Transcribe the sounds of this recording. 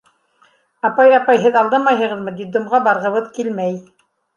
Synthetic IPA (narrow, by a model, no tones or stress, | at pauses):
ɑpɑjɑpɑjɦɘðɑlˠd̪ɤmɑjɦɤ̆ʁɤ̆ðmɤ̆d̪id̪ŏmʁɑbɑɾʁɤ̆βɤðkilmæj